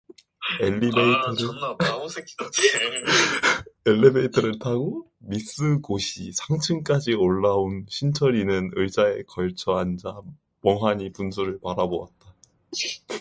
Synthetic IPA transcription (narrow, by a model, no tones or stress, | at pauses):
eʎːibeitʰʌɾɯ | eʎːibe̞itʰʌɾɯɭtʰaɡo | mis͈ɯɡoɕʰisʰaŋt͡ɕʰɯnk͈ad͡ʑioɭːaunɕʰint͡ɕʰʌɾinɯnɯɭd͡ʑ͈ae̞kʌɭt͡ɕʰʌɦand͡ʑa | mʌŋɦaɲipuns̬ʰuɾɯɭpaɾaboa̰t̚t͈a